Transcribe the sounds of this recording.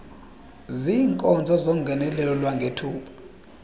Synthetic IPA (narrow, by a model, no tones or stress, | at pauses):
ziːŋkʼɔnd͡zʱɔzoŋɡʱɛnɛlɛlɔlwaŋɡʱetʰuːpʰḁ